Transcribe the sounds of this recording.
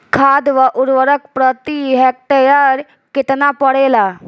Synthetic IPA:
kʰad̪ʋəʔuɾʋəɾək̚pɾət̪iɦɛk̚t̪əjaɾ | ket̪napəɽela

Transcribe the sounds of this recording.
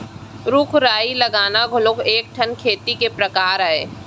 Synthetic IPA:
ɾʊkʰɾaːilɐɡaːnaɡʱʊlokʰeːk̚ʈʰənkʰeːt̪ikepɾɐkaːɾɦɛː

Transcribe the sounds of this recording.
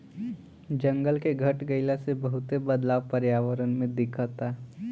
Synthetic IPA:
d͡ʒɐ̃ŋɡəlkeɡʱɐʈɡəɪlasebɐɦʊt̪ebɐd̪laːʋpəɾjaːʋəɾənmẽd̪ɪkʰət̪a

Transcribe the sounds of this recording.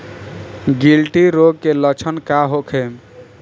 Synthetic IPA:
ɡilʈiɾoɡ̚kelət͡ʃʰənkaɦokʰe

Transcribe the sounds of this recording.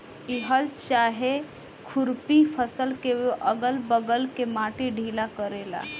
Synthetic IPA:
iɦəlt͡ʃaːɦe | kʰʊɾpipʰəsəlkeoʔəɡəlbəɡəlkemaːʈiɖʱiːlakəɾeːla̰ː

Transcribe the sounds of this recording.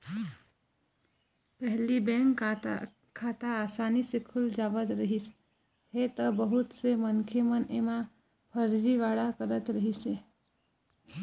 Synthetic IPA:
pɛɦlibɛ̃ːŋk | kʰaːt̪aaːsaːnisekʰʊld͡ʒaːʋət̪ɾəɦis | ɦet̪əbəɦʊt̪semənkʰemənemã | pʰəɾd͡ʒiʋaːɽakəɾət̪ɾəɦise

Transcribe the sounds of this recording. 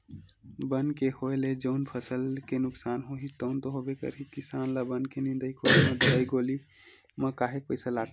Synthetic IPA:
bənkehoeled͡ʒəʊnpʰəsəlkenʊksaːnɦoɦit̪əʊnt̪oɦobekə̰ɾɦikisaːnlabənkenɪ̃nd̪əjkʰolemẽd̪əɾəjɡoli | mə̃kaːɦek̚pəɪsalat̪

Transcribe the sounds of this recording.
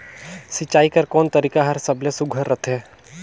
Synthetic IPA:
sɪt͡ʃaːikɐɾkɔːnt̪əɾiːkaɦɐɾsɐblesuɡʱəɾːɐt̪ʰɦɛː

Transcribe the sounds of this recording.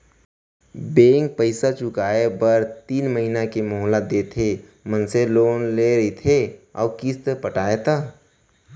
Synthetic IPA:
bẽːŋk̚pəɪsat͡ʃʊkaːebəɾt̪iːnməɦinakemoːɦlad̪et̪ʰe | mənseloːnleɾəit̪ʰeɔ̰ːkist̪əpəʈaːet̪a

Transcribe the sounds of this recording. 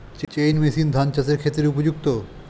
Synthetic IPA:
t͡ɕt͡ɕejnmesind̪ʱant͡ɕaseɾkʰet̪ːɾeupod͡ʑuk̚t̪o

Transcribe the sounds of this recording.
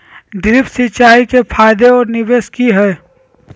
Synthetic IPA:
d̪ɾɪpsɪt͡ʃaːikepʰaːjd̪eɔːɾnɪʋeːskiɦɛː

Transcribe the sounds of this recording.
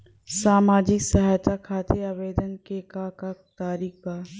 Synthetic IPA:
saːmaːd͡ʑɪksɐɦaːjt̪akʰaːt̪ʰeaːʋeːd̪ənkekakat̪aːɾiːkaː

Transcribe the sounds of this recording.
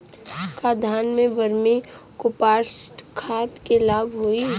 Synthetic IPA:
kad̪ʱaːnmẽbəɾmikopaːsʈkʰaːt̪kelaːbɦoi

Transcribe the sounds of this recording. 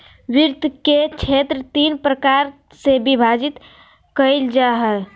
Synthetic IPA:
ʋɪɾt̪ket͡ʃʰet̪ɾət̪iːnpɾəkaɾ | sebibʱad͡ʒit̪ | kəild͡ʒaɦə

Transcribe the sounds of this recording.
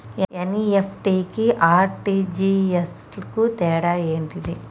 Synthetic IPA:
eeniepʰʈiːkiʔaːɾʈiːd͡ʒiːes | lɐkut̪ɛːɽaːeːɳʈid̪i

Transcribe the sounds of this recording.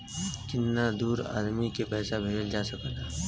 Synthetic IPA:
t͡ʃɪnːad̪uːɾa̰ːd̪mikepɛːsabʱeːd͡ʒəld͡ʒaːsəkna

